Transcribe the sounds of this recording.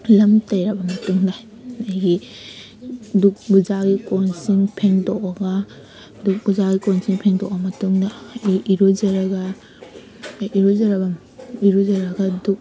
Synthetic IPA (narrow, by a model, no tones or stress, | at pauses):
lɐmtɐjɾɐbɐmɐtuŋda | ajɡi | duk̚buzaɡikɔnsiŋpʰeŋtɔkaɡa | duk̚buzaɡikɔnsiŋpʰeŋtɔk̚bɐmɐtuŋdɐiɾuzɐɾɐɡɐ | iɾozɐɾɐbɐ | iɾuzɐɾɐɡɐduk̚